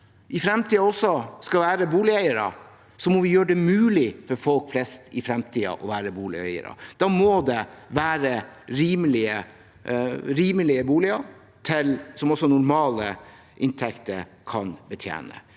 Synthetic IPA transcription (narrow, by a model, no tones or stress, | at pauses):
ʔɪfɾɛmt̪ʰiːɑɔsːɔskɑʋæːɾəbuːlɪœʏəɾə̰ | sɔmɔʋɪjøːɖɛmʉːlɪfɔɾfɔlkflɛst̪ɪfɾɛmt̪ʰiːə̰ʔɔʋæːɾəbuːlɪ̰œ̰ʏə̰ɾɑ̰d̪̥ɑːmɔd̪ɛʋæːɾəɾiːməlɪə | ɾiːməlɪəbuːlɪɑ | t̪ʰɪlsɔmɔsɔnʊɾmɑːlə | ʔɪnt̪ʰɛkt̪əɾkʰɑnbət̪ʰjḛːnə̰